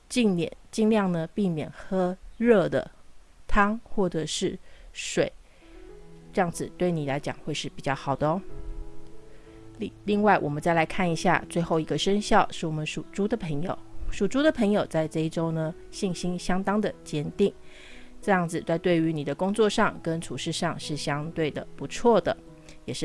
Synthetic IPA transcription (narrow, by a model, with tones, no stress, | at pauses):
t͡ɕi˥˧ŋljɛ̰˨˩nt͡ɕi˥˧ŋljɑ˥˩ŋnə˩pi˥˩mjɛ̰˨˩nxɤ˥ɻɤ˥˩d̪ə̰˩ | t̪ʰɑ˥ŋxwɔ˥˩ʈ͡ʂɤ˨˩ʂɻ̩˥˩ʂwe˨˩˦ɪ | ʈ͡ʂɤ˥˧jɑ˥˩ŋd͡zɹ̩˨˩t̪we˥˩ɪni˨˩la˧˥ɪt͡ɕjɑ̰˨˩ŋxwe˥˧ɪʂɻ̩˥˩pi˨˩t͡ɕjɑ˥˩ʊxɑ˨˩ʊd̪ə˦˧ | li˥˧ŋwa˥˩ɪwʔɔ˨˩mə˨˦nt͡sa˥˩ɪla˧˥ɪkʰa˥˩ni˧˥ɕja̰˥˧t͡swe˥˧ɪxo˥˩ʊi˧˥ɡə˧ʂə˥ŋɕjɑ˥˧ʊʂɻ̩˥˩wɔ˨˩mə˦nʂu˨˩ʈ͡ʂu˥d̪ə˨pʰə˧˥ŋjo̰˨˩ʊʂu˨˩ʈ͡ʂu˥d̪ə˨pʰɤ˧˥ŋjo˨˩ʊt͡sa˥˧ɪʈ͡ʂɤ˥˧i˥˩ʈ͡ʂo˥ʊnə˨ | ɕi˥˩ŋɕi˥nɕjɑ˥ŋt̪ɑ˥ŋd̪ə˨t͡ɕjɛ˥nt̪i˥˩ŋ | ʈ͡ʂɤ˥˧jɑ˥˩ŋd͡zɹ̩˨˩t͡sa˥˧ɪt̪we˥˩ɪy˧˥ni˨˩d̪ə˦kʊ˥ŋt͡swɔ˥˧ʂɑ˥˩ŋkə˦nʈ͡ʂʰu˨˩ʂɻ̩˥˧ʂɑ˥˧ŋʂɻ̩˥˩ɕjɑ˥ŋt̪we˥˩ɪd̪ə̰˩pu˧˥t͡sʰwɔ˥˩d̪ə˩ | jɛ˨˩ʂɻ̩˥˩